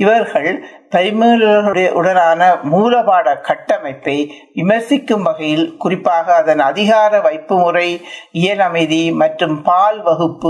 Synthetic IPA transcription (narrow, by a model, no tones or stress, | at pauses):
ɪʋɐɾɣɐɭ | pɐɾmeːlɐɾɣɐɽɐɐʔʊɽɐnaːnɐmuːlɐbaːɽɐkɐʈːɐmɐɪpːɐɪ | ʋɪmɐɾsɪkːɯmʋɐɣɐjɪlkʊrɪpːaːɣɐːðɐnɐðɪɣaːɾɐʋɐɪpːɯmʊrɐɪɪjɐlɐmɐɪðimɐʈrɯmpaːlʋɐɣɯpːɯ